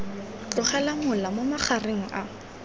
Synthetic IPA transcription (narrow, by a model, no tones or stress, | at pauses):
t͡ɬʼʊχɛlamʊlamʊmaχareŋ̩ʔa